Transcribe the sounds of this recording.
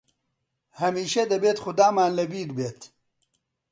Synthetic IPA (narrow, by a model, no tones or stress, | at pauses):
hɐmiːʃɐd̪ɐbeːt̪xʊd̪aːmaːnlɐbiːdbeːt̪